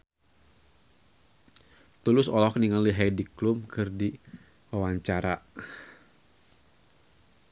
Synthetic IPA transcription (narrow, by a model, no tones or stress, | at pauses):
t̪ulʊsɔlɔk̚niŋaliɦajdiklʊmkʰɨrdi | wawaɲt͡ʃaɾa